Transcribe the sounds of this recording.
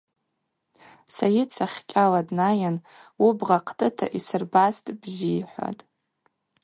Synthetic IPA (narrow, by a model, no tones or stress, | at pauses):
sajɪt͡sʰaχʲkʲʼaladnajanwubʁaqʼʰtʼɨtʰa̰ʔisɨrbastʼbziːħʷa̰tʼ